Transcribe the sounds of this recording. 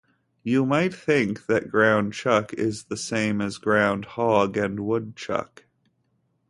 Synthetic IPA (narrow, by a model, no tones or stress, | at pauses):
jɨmaɪt̪̚θɪ̃ŋk̚ðɨt̚ɡ̥ɹãʊ̃nt͡ʃʰʌkɪzðɨsẽɪ̃mɨzɡɹãʊ̃nd̚hɑɡɨ̃nwʊd̚t͡ʃʰʌ̰k